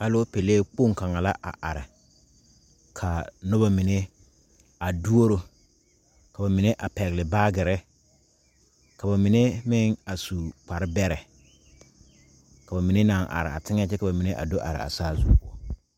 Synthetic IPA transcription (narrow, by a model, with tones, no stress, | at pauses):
a˦lo˦pe˨leː˦k͡po˦˨ŋka˨ŋa˨la˦ʔa̰˨ʔa˨ɾɪ˨ | kʰa˨nʊ˦ba˦mi˨ne˦ | a˨du˦o˦ɾo˨ | ka˨ba˨mi˨ne˦ʔa˨pɛ˨ɣlɪ˨ba˦ɡɪ˨ɾɪ˦ | ka˨ba˨mi˨ne˦mɪ˦ŋa˨su˨k͡pa˨ɾɪ˦bɛ˦ɾɛ˨ | ka˨ba˨mi˨ne˦na˨ŋʔa̰˨ɾɪ̰˨a̰˨tɪ˦ŋ˦a˦t͡ʃɛ˦ka˨ba˨mi˨ne˦ʔa̰˨do˦ʔa̰˨ɾɪ̰˨a̰˨saː˦zu˦pu˨ɔ˦